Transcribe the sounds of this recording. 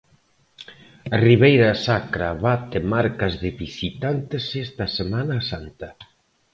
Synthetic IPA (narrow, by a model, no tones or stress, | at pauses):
ɐriβejɾasakɾaβat̪emaɾkɐzðɪβisit̪ant̪ɪsest̪ɐsemanɐsant̪ɐ